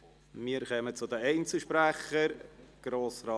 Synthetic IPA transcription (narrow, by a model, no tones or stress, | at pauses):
miːəɾχœmət͡sʊd̪əɛɪnt͡sl̩ʃpɾæχəɾɡ̥ɾoːsrɑː